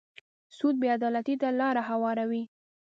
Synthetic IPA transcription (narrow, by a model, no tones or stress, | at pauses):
sud̪̚bead̪ɑlat̪it̪alɑɾaɦawɑɾawi